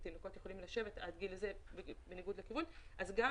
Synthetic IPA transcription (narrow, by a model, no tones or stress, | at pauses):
t̪inoko̞t̪jeχo̞limlaʃe̞vetad̪ɡileze̞bebeniɡud̪lekivunʔazɡa